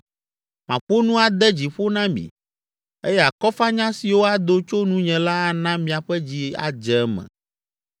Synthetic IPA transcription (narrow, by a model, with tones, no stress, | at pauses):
mã̰˨ɸo˦nũ˦a˨d̪ɛ˦d͡ʑi˨ɸo˦nã˦mḭ̃˨ | e˦jɛ˦a˨kɔ˦fa˦ɲã˦si˨wo˦a˦d̪o˦t͡ʃo˦nũ˦ɲɛ̃˨la˦a˨nã˦mĩ˨a˨ɸɛ˦d͡ʑi˦a̰˨d͡ʒɛ˨˦mɛ̰̃˨